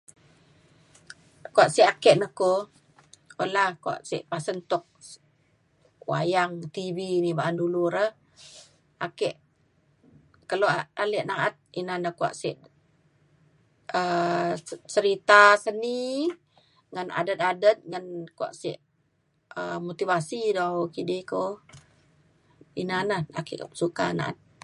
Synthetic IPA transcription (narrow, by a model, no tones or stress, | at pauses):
kuaʔsiʔakɛʔnəko | olahkua̰ʔsḭʔpasənt̪ɔk̚ | wa̰jaŋt̪ibinibaʔanduluɾəh | ʔakɛʔ | kəloaalɛʔnaʔat̪̚inanəkua̰ʔsiʔ | ə | t͡ʃəɾit̪asəni | ŋana̰dət̪̚adət̪̚ŋankua̰ʔsiʔ | əmot̪ivasidakidiko | inanaa̰kɛʔsuka̰na̰ʔa̰t̪̚